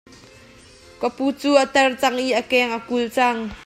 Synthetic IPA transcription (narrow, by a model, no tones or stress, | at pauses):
kəpuːt͡suːʔət̪ɛrt͡sɐŋʔiʔəkɛːŋʔəkult͡saŋ